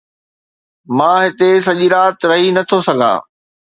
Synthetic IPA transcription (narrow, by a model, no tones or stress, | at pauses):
mãːɦɪt̪es̬ɐʄiɾaːt̪ɾɐɦinɐt̪ʰosɐɡʱa̰ː